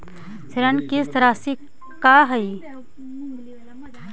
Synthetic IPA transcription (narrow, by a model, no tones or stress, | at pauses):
sɪɾɐnkist̪ɾaːsi | kaɦɐi